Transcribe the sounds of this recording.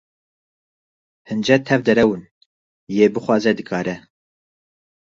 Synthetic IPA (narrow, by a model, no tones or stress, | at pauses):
hɨnd͡ʒɛt̪ʰɛvd̪ɛɾɛwɨn | jeːbɨxwɑːzɛd̪ɨkʰɑːɾɛ